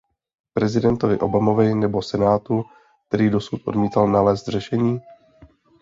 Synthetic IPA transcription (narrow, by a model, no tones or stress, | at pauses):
pɾɛzɪdɛnt̪o̞vɪʔo̞bamo̞vɪnɛbo̞sɛnaːt̪u | k̚t̪ɛɾiːdo̞sut̪ʔodmiːt̪alnalɛːst̪r̝ɛʃɛɲiː